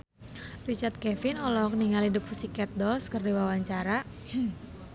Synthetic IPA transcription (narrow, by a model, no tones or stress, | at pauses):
rit͡ʃart̪̚kɛfɪnɔlɔɦɔkəniŋalidəp̚usikɛt̪̚dɔlskərdiwawaɲt͡ʃaɾa